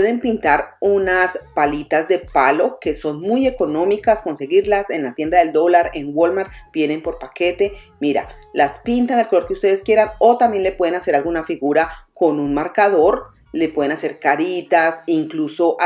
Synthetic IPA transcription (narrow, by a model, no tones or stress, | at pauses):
eðe̞mpint̪aɾunaspalit̪azd̪e̞palo̞ke̞so̞nmuje̞ko̞nõ̞mikasko̞nse̞ɣiɾlase̞nlat̪je̞nd̪aðe̞ld̪o̞laɾe̞ŋwo̞lmaɾb̥je̞ne̞mpo̞ɾpake̞t̪e̞miɾa̰laspint̪and̪elkoo̞ɾkeust̪e̞ðeskje̞ɾano̞t̪ambje̞nle̞pwe̞ðe̞nase̞ɾalɡunafiɣuɾako̞nunmaɾkaðo̞ɾ | lepwe̞ð̞enase̞ɾkaɾit̪asiŋkluso̞ʔa